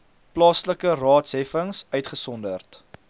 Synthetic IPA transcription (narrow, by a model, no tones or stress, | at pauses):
plɑːsləkərɑːtsɦɛfəŋsœɥtχəsɔndərt